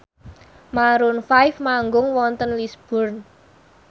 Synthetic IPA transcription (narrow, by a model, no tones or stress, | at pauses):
maɾʊnfajfmaŋɡʊŋwɔnt̪ənlisb̥ʊ̤rn